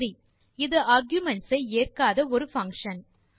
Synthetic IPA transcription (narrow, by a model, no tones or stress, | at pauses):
ɾi | ɪðɯʔaːɾɡjʊmɛɳʈsɐɪeːrkaːðɐɔɾɯfɐ̃ŋkʂɐn